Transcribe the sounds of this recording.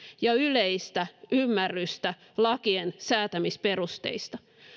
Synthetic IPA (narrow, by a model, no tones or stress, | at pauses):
jɑyleist̪æymːærːyst̪æ | lɑkiensæːt̪æmispe̞ɾust̪e̞̰ist̪ɑ̥